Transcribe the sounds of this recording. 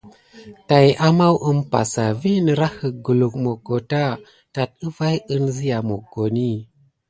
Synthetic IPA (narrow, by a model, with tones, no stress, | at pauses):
ta˨jʔa˦ma˦wʔə˦mpa̰˨sa˨vi˦nə˨ɾa˦hə˨ɡu˨lu˨k̚mo˨ɡo˨ta˦ | ta˨t̚ə˦va˦jə˦nzi˦ja˨mo˨ɡo˨ni˦˨